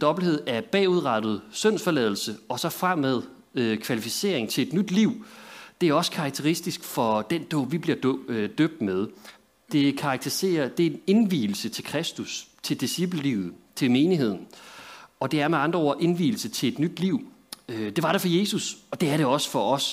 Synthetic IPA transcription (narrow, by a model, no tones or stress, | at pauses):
d̥ɒ̽b̥l̩he̝ð̞̰ˠæɐb̥ɛ̰ːuð̞ˠʁɑd̥ð̞̩ˠsøn̰sfɒ̽lɛð̞̰ˠl̩səɒ̽sɒ̽fʁam̰ːeð̞ˠ | økʰʋælifise̝̰ːɐ̰eŋt͡sʰe̝le̝d̥nyd̥liʊ̰d̥e̝æɐɒ̽sə̥kʰɑ̈ɡ̥̚t͡sʰeʁisd̥isɡ̥fɒ̽d̥end̥ɔ̰ːʋib̥liɐ̰d̥øb̥̚d̥með̞ˠ | d̥e̝kʰɑ̈ːɡ̥t͡sʰise̝̰ɐd̥e̝ne̝nʋḭːl̩sət͡sʰe̝lkʰʁɛsd̥ust͡sʰe̝ld̥isib̥ləlḭːð̩ˠt͡sʰe̝lme̝ːniɦe̝ð̰ˠn̩ | ɒ̽d̥e̝æɐmeɑ̈nd̥ʁɐoɐ̰ʔe̝nʋḭːl̩sət͡sʰe̝e̝d̥nyd̥liʊ̰ | ød̥e̝ʋɑ̈ɾefɒ̽je̝ːsusɒ̽d̥e̝æɐɾe̝ɒ̽sə̥fɒ̽ʔɒ̽s